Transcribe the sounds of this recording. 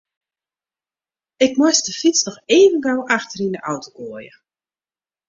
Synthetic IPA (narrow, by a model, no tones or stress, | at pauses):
ɪk̚mɔstəfisnɔxeːvənɡawʔaxtərindəʔawtoɡoəjə̰